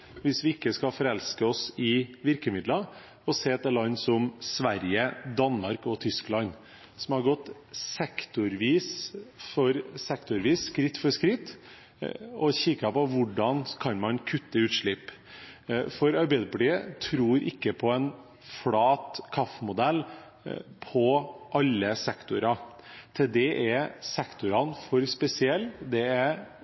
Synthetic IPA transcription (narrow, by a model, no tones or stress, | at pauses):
ʋɪsʋɪɪkːəskɑfɔɾɛlskəɔsɪʋɪɾkəmɪd̪lɑ | ɔseːt̪ɛːlɑnːsɔmsʋæɾjəd̪ɑnmɑɾkɔt̪ʰʏsklɑn | sɔmhɑɾɡɔt̪ː | sɛkt̪ʊɾʋiːsfɔɾsɛkt̪ʊɾʋiːsːkɾɪt̪ːfɔʂkɾɪt̪ː | ɔçɪkːɑpɔʋʊɖɑnkʰɑnmɑnkʰʉt̪ːəʉːt̪ʂɭɪp | fɔɾɑɾbɛɪd̪əpliːət̪ʰɾuːɾʔɪ̰kːəpʰɔɛn | flɑːt̪kʰɑfːmʊd̪ɛlː | pʰɔʔɑlːəsɛkt̪ʊɾɑ | t̪ʰɪld̪ɛʔæɾsɛkt̪ʊɾɑnfɔɾspɛsɪɛlːd̪ɛæɾ